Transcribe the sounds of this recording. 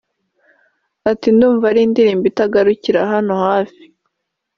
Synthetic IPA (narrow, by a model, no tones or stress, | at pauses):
atinduːɱvaɾiːndiɾiːmbitaɡaɾuciɾaɦano̞haːfi̥